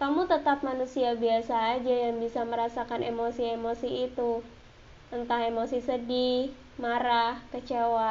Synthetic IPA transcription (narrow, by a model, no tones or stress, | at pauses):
kamut̪ət̪ap̚manusiabiasaːd͡ʒajaŋbisaməɾasakanʔemosiemosiːt̪u | ənt̪ahemosisədih | maɾahkət͡ʃewa